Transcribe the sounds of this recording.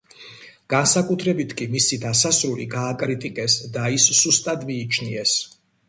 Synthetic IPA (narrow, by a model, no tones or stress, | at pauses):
ɡ̥ansakʼut̪ʰɾɛbit̪ʰkʼimisid̪asasɾulḭɡaːkʼɾit̪ʼikʼɛsd̪aisːust̪ʼad̪miːt͡ʃʰniɛs